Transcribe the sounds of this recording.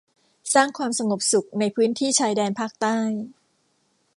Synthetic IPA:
saː˥˩ŋkʰwaː˧msa˧ŋo˨˩p̚su˨˩k̚na˧jpʰɯː˦˥nt̪ʰiː˥˩t͡ɕʰaː˧jdɛː˧npʰaː˥˩k̚t̪aː˥˩j

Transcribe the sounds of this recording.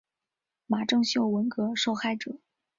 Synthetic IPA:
ma˨˩ʈ͡ʂɤ˥˧ŋɕjo˥˩ʊwə˧˥nkɤ˧˥ʂo˥˧ʊxa˥˩ɪʈ͡ʂɤ˨˩˦

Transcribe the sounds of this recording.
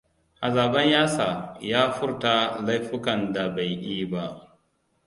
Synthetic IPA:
ʔa˨zaː˨bɐ˦ɲjaː˦saː˨jaː˦ɸʊ˦ɾta˦˨la˦jɸɪ˦kɐ˨nda˨ba˨jʔiː˦ba˦ʔ

